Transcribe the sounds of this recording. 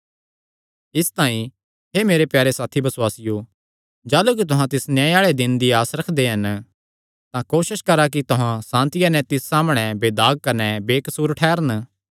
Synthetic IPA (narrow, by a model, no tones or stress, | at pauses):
ɪst̪aːĩ | ɦemeːɾepjaːɾesaːt̪ʰibɐswaːsɪjo | d͡ʒaːluk̬it̪ʊɦãt̪ɪsnjãːeaːɭed̪ɪnd̪iaːsɾɐkʰd̪eɦɐn | t̪ãkoːʃɪʃkɐɾak̬it̪ʊɦãsãːnt̪ɪjanɛ̃t̪ɪsːaːmɽ̃ɛbeːd̪aːɡ̚kɐnɛbeːkɐsuːɾʈʰɛːɾən